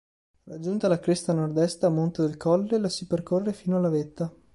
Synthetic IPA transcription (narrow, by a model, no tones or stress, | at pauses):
rad͡ʒunt̪alakɾest̪anord̪ɛst̪aːmːont̪ed̪elkʰɔlːelasiperkorːefiːnoalːavet̪ːa